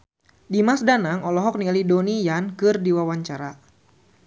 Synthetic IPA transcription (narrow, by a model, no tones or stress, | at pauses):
dimasdanaŋɔlɔɦɔk̚nialidonijankɨrdiwawaɲt͡ʃaɾa